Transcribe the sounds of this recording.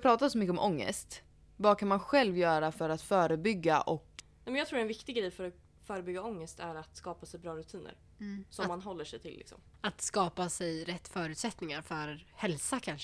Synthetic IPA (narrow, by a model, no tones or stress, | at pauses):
pʰɾɑːt̪adsɔmʏkːəɔmʔɔŋːə̰st̪ | vɑːkʰanmanɧɛlvjœːɾafœɾat̪fœːɾəbʏɡːaʔɔknɛmɛnjɑɡt̪ɾuːɖɛnvɪkt̪ɪɡɾɛjfœɾɔ | fœːɾəbʏɡːaɔŋːəst̪æɾat̪skɑːpasɛjbɾɑːɾɵt̪ʰiːnə̰ɾ | sɔmːanɦɔlːəʂɛjt̪ʰɪlːɪ̰ksɔ̰m | at̪skɑːpasɛjɾɛt̪ːfœːɾʉ̟ːt̪sɛt̪nɪŋaɾfœɾhɛlsakʰanʃ